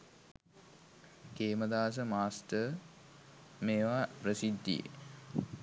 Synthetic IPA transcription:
keːməd̪aːs̬əmaːsʈə | meːʋaprəsid̪ːḭḛ

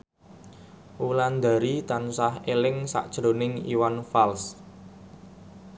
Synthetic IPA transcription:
ʔuland̪a̤ɾit̪ansahelɪŋsa̰ʔd̥ʒ̥ɾo̤nɪŋḭwanfals

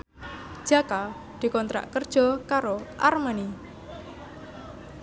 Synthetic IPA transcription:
d̥ʒ̥a̤ka | d̪̥i̤kɔnt̪ɾa̰ʔkərd̥ʒ̥ɔ̤kaɾoʔarmani

